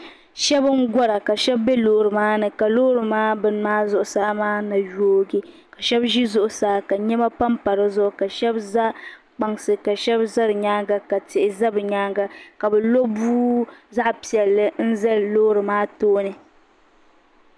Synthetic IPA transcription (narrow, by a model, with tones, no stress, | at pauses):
ʃɛ˦bɨ˦ŋ˦ɡɔ˦ɾa˨ka˨ʃɛ˦bːɛ˦loː˨ɾɨ˨maː˦nɨ˨ka˨loː˦ɾɨ˨maː˦bɨ˦n˦maː˦zʊ˦ʔʊ˨saː˦maː˦na˨jo˦ɡi˦ | ka˨ʃɛ˦bʒi˦zʊ˦ʔʊ˨saː˨ka˨ɲɛ˦ma˦pa˦mpa˨ɾɨ˦zʊ˦ʔʊ˦ka˨ʃɛ˦bza˦ | k͡pa˨ŋsɨ˨ka˨ʃɛ˦bza˦ɾɨ˨ɲaː˦ŋɡa˦ka˨tɪ˨ʔɪ˨za˦bɨ˨ɲaː˦ŋɡa˦ka˨bɨ˨lo˦buː˦za˦ʔpi˨ɛ˨lːɨ˦n̩˦za˦lloː˦ɾɨ˨maː˦toː˦nɨ˨